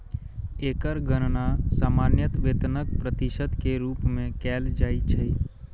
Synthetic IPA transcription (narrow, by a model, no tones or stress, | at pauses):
eːkəɾɡəɾnasaːmaːnjət̪ʋeːt̪nək̚pɾət̪ɪʃəd̪keɾuːpmẽkɛːld͡ʒaːit͡ʃʰəi